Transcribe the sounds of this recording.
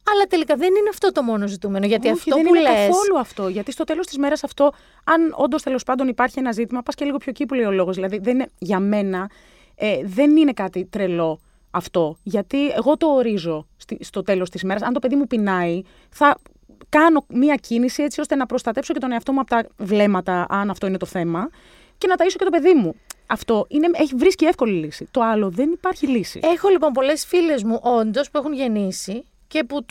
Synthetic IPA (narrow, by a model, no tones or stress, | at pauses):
ɐlɐt̪elikɐðenineɐft̪o̞t̪o̞mo̞nozit̪umenoʝɐt̪iɐft̪oeniaeθoluɐft̪o̞ʝɐt̪ist̪ot̪e̞lo̞st̪izme̞ɾɐsɐft̪o̞ | ɐno̞̰nd̪o̞st̪e̞lo̞spɐnd̪o̞nipɐɾçie̞nɐzit̪imɐpɐsceliɣo̞pʰço̞cipuleio̞lo̞ɣozðilɐðiðenneʝɐme̞nɐ | eðe̞nine̞kɐt̪it̪ɾelo̞ | ɐft̪o̞ʝɐt̪ie̞ɣo̞t̪o̞ːɾizo̞st̪ist̪o̞t̪e̞lo̞st̪izme̞ɾɐsɐnt̪o̞pe̞ðimupinɐi | θɐ | kɐno̞miɐcinisie̞t͡sio̞st̪enɐpɾo̞st̪ɐt̪e̞psoce̞t̪oneɐft̪o̞muɐpot̪ɐvle̞mɐt̪ɐʔɐnɐft̪o̞inet̪o̞θe̞mɐ | ce̞nɐt̪ɐiso̞ct̪ope̞ðimuɐft̪o̞ʔine̞eçivɾiscie̞fko̞lilisit̪o̞ɐlo̞ðe̞nipɐɾçilisḭexolipo̞mpo̞le̞sfile̞zmuʔond̪o̞spue̞xunʝe̞nisi | ce̞pu